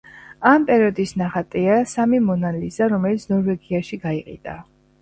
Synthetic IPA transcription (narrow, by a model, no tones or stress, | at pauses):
ampʼɛɾiɔd̪isnaχat̪ʼiasamimɔnalizaɾɔmɛlit̪sʰnɔɾvɛɡiaʃiɡaiqʼḭd̪ʼa̰